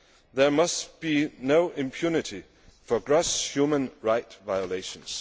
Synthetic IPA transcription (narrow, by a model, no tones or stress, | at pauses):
ðə˞mʌstb̥inoʊʔɪ̃mpʰj̥unɪɾʰi | fə˞ɡɹoshjumə̃nɹaɪtvaɪəleɪʃə̃ns